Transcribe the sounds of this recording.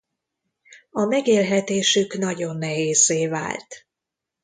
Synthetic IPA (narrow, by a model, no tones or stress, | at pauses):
ɒmɛɡeːlɦɛt̪eːʃykn̪ɒɟo̞nːɛɦeːzːeːva̰ːlt̪